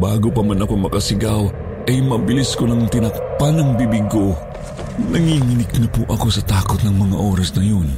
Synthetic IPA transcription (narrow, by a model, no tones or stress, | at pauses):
baːɡopɐmanɐkomɐkɐsɪɡaw | ʔɐjmɐbɪliskonɐŋt̪ɪnɐk̚panɐŋbibɪɡo | nɐŋiːŋɪnɪk̚nɐpʊʔɐko̞sɐt̪aːkot̪̚nɐŋmɐŋa̰ʔo̞ːɾɐsnɐjo̞n